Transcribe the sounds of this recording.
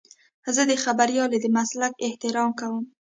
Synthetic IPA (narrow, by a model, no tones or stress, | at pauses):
zəd̪əxabaɾjɑled̪əmaslakɪht̪ɪɾɑmkawəm